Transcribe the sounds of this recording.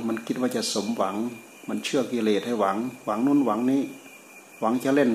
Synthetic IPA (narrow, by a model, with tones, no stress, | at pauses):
ma˧˨nki˧˦t̪̚waː˧˩t͡ɕa˧˨so˨˦mwa˨˦ŋ | ma˧˨nt͡ɕʰɯ˥˩ɐk̚kiː˧˩leː˧˩t̪̚ha˧˥˩jwa˨˦ŋwa˨˦ŋnu˧˥˨nwa˨˦ŋniː˧˥˨ | wa˨˦ŋt͡ɕa˧le˧˩˨n